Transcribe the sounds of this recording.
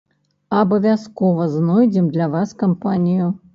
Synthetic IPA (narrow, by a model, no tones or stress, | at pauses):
ɐbɐvʲaskɔvɐznɔjd͡zʲɛmd̪lʲavaskampanʲiju